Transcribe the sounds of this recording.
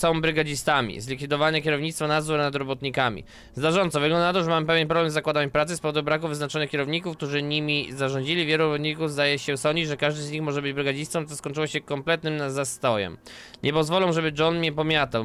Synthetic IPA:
sɔ̃w̃bɾɘɡad͡ʑist̪amʲḭzlʲikfʲid̪ɔvaɲɛkʲjɛɾɔvɲit̪t̪fɔnazuɾnad̪ɾɔbɔt̪ɲikamʲḭ | zd̪aʐɔnt̪sɔvɘɡlɔnd̪anat̪ɔʐɛmamɘpɛvʲjɛnpɾɔblɛmzakwad̪aɲpɾat̪sɨspɔvɔd̪ubɾakuvɘznat͡ʂɔnɨkʲɛɾɔvɲikufk̚t̪uʐɘɲimʲizaʐɔ̃ɲd͡ʑilʲivʲjɛluɾɔbɔt̪ɲikuvzd̪ajɛɕɛsɔɲd͡ʑid͡ʑʐɛkaʐd̪ɘzɲixmɔʐɛbɘd͡ʑbɾɘɡad͡ʑist̪sɔmt̪sɔskɔɲʲt͡ʂɨwɔɕɛkɔmplɛt̪̚nɘmnazast̪ɔjɛ̰m | ɲʔɛpɔzvɔlɔw̃ʐɛbɘd͡ʐɔnmʲjɛpɔmʲjat̪aw

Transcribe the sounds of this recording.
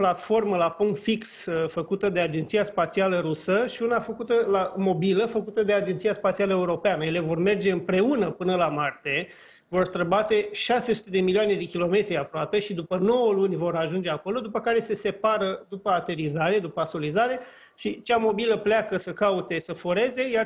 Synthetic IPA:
plat̪fo̞rməlapoŋfiksəfəkut̪əd̪e̞ad͡ʒent̪sijaspat̪sialəɾusəʃiunafəkut̪əlamo̞biləfəkut̪əd̪e̞ad͡ʒent̪sijaspat̪sialəe̞uɾo̞peanəjele̞vo̞rme̞rd͡ʒe̞ɨmpɾe̞unəpɨnəlamart̪e̞ | vo̞rst̪ɾəbat̪e̞ʃase̞su̥t̪e̞d̪e̞milioane̞d̪e̞kʲilo̞me̞t̪ɾiapɾoape̞ʃid̪upəno̞wəlunʲvo̞ɾaʒund͡ʒe̞ako̞lo̞d̪upəkaɾe̞se̞se̞paɾəd̪upəat̪e̞ɾizaɾe̞d̪upəaso̞lizaɾe̞ | ʃit͡ʃamo̞biləplakəsəkaut̪e̞səfoɾe̞ze̞jar

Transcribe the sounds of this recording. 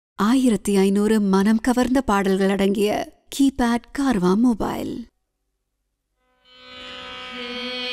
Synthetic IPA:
aːjɪɾɐt̪ːɯɐɪnuːɾɯmɐnɐmkɐʋɐɾnd̪ɐpaːɽɐlɣɐɭɐɽɐŋɡɪjɐ | kʰiːpaːɖkaːɾʋaːmoːba̰ːɪl

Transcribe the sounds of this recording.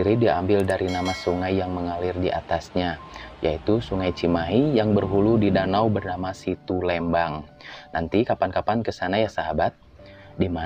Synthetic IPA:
iɾidiaambɪldaɾinamasuŋajːaŋməŋalɪrdiʔa̰t̪asɲa | jait̪usuŋajt͡ʃimaɦijaŋbərɦuludidanawbərnamasit̪ulɛmbaŋ | nant̪ikapankapankəsanajasaɦabat̪̚ | dima

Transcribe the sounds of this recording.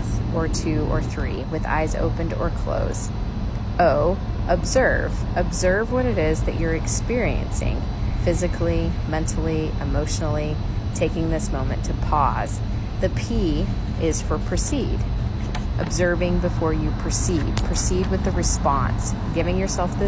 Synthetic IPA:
zʔə˞tʰʉə̰˞θɹḭwɨða̰ɪzo̰ʊpɨ̃ndə̰˞kʰl̥o̰ʊzd | oʊʔəbzɜ˞v̥ʔɨbzɜ˞vwʌɾɨɾɪzðɨ̰t͡ʃə˞ɨkspɪɹiɨ̰̃nsɪ̰̃ŋ | fɪzɨkʰlimɛ̃ntʰl̩ˠi | ɨmoʊʃn̩l̩ˠi | tʰeɪkɪ̃ŋðɪsmõʊ̃mɨ̰̃ntʰɨpʰɔz̥ | ðɨpʰi | ʔɪz̥fə˞pʰɹ̥ɨsid | ʔɨbzɜ˞vɪ̃ŋbɨfɔɹjɨpʰɨsid̥̚pʰəsid̚wɨðɨɹɨspɑ̰̃ns | ɡ̥ɪvɪ̃ŋjə˞sɛlˠfðɪ

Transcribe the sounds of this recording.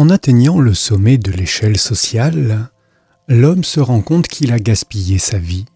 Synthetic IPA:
ɑ̃nat̪ɛɲɑ̃ləsɔmɛd̪əleʃɛlsɔsjal | lɔmsəʁɑ̃kɔ̃t̪kʰilaɡaspijesavi

